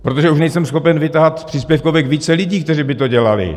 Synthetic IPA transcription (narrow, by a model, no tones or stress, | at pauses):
pɾot̪o̞ʒɛuʃnɛjsɛmsxo̞pɛnvɪt̪aɦat̪pr̝̥iːspjɛfkovɛkviːt͡sɛlɪɟiːkt̪ɛriːbɪt̪o̞ɟɛlalɪ̰